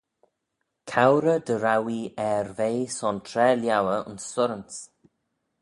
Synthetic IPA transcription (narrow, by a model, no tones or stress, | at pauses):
kʰawɾəd̪əɾawiɛɾvejsɔntʰɾɛːljawəʊ̰nsːʊɾəns